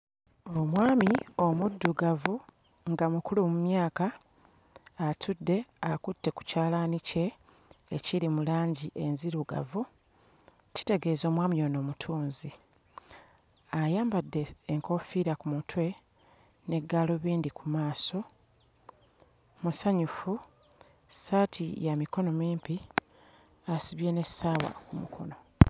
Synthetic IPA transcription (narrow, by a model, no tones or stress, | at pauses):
omwaːmio̞mudːuɡavu | ŋɡamukulumumjaːka | tʰudːe̞akutːe̞ku̥caːlanice̞ː | ciɾimulaːɲɟiʔe̞nziɾuɡa̰vu | ci̥te̞ɡe̞ːzo̞ːmwaːmio̞no̞ːmutʰuːnzi | ajaːmbadːe̞ːŋko̞fiɾakumutʰwe̞ | ne̞ɡːaːlo̞βiːndikumaːso̞ | musaɲufu | saːtʰijamiko̞no̞miːmpi | asiβje̞ne̞saːwa̰kumukʰo̞̰no̞